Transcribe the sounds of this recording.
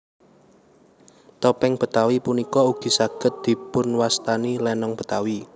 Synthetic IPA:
t̪ɔpɛŋb̥ə̤t̪awipunikɔuɡ̥i̤saɡ̥ə̤t̪̚d̪̥i̤pʊnwast̪anilɛnɔŋb̥ə̤t̪awi

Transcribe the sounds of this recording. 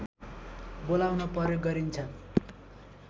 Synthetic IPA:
bolawnʌpʌɾjoɡʌɾint͡sʰʌ

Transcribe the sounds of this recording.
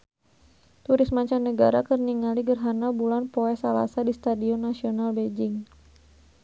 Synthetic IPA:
t̪uɾɪsmaɲt͡ʃanːəɡaɾakərniŋaliɡərɦanabulanpoɛsala̰sadist̪adiɔnːasionalbed͡ʒɪŋ

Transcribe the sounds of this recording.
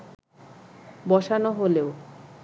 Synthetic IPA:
bɔʃanoɦoleo

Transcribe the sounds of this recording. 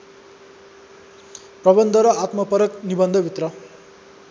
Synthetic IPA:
prʌbʌnd̪ʱʌɾʌat̪mʌpʌɾʌknibʌnd̪ʱʌbʱit̪rʌ

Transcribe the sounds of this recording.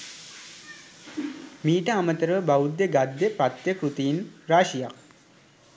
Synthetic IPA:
miːʈəamət̪əɾəbaud̪ːeɡad̪ːepɾat̪jəkɾut̪iinɾaːʃijak̚

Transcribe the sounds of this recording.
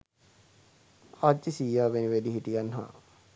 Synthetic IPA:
ad͡ʒisiːjaːʋeniʋediɦiʈijanɦa̰

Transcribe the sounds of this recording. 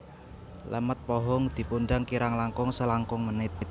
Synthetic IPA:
lʔə̰mət̪̚pɔɦɔŋd̪̥i̤punɖaŋkiɾaŋlaŋkʊŋsəlaŋkʊŋmənɪt̪̚

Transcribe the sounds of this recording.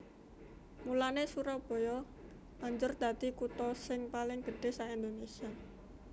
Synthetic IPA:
mulanesuɾab̥o̤jɔ̥ | aɲd͡ʒʊrd̪̥ä̤t̪ikut̪ɔsɪŋpalɪŋɡ̥ə̤ɖ̥e̤saind̪onesia

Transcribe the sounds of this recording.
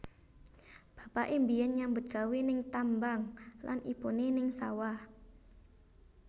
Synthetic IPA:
b̥a̤paʔembianɲambʊt̪̚ɡ̥awenɪŋt̪ambaŋla̰nʔḭpunenɪŋsa̰wah

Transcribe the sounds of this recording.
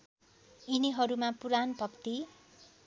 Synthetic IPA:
iniɦʌɾumapuɾanbʱʌkt̪i

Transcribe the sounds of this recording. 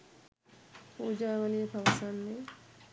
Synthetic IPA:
puːd͡ʒaːʋɐlijɐpɐʋɐsanːe

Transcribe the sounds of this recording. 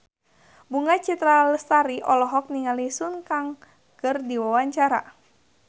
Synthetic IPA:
buŋat͡ʃit̪ɾaləst̪aɾiʔɔlɔɦɔk̚niŋalisunkaŋ | kərdiwawaɲt͡ʃaɾa̰

